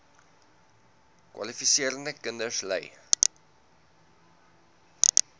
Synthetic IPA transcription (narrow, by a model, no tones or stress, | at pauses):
kwɐ̰lifisiəɾəndəkəndəslɛ̰j